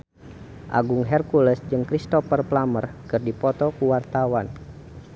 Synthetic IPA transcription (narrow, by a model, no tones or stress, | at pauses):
ʔa̰ɡuŋɦɛrkuləsd͡ʒɨŋkɾist̪ɔfərplamərkɨrdipɔt̪ɔkuwart̪awan